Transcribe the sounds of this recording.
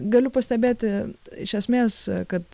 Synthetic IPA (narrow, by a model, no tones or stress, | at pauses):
ɡɐlʲʊpɐsʲt̪ʲɛbʲeːt̪ʲɪɪʃʲɛsʲmʲeːskɐt̪